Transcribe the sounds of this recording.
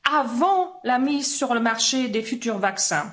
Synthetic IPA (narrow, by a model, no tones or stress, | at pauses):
avɑ̃lamizsyʁləmaʁʃed̪efyt̪yʁvaksɛ̰̃